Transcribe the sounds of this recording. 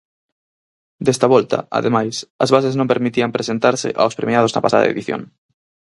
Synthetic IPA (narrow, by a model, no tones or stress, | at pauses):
d̪est̪aβɔlt̪ɐ̰a̰ðemajsɐzβaseznõmpeɾmit̪iɐmpɾesent̪aɾsɪ̰ʔawspɾemiað̞oznɐ̰pasaða̰ḛðiθjo̰ŋ